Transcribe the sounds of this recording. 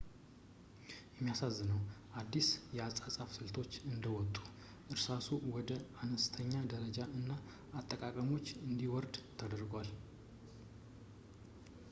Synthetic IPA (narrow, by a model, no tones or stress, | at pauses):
jɛmːijasazːɨnəwʔad̪ːisjɛasʼasʼafsɨlt̪ʰo̞t͡ʃːɨnd̪əwɔt̪ʼːu̥ | ʔɨɾsasuwɔd̪əanəst̪ʰəɲːad̪əɾəd͡ʒaʔɨnːaː | t̪ʼːəkʼakʼəmo̞t͡ʃːɨnd̪iwɔɾd̪t̪ʰəd̪əɾɡwal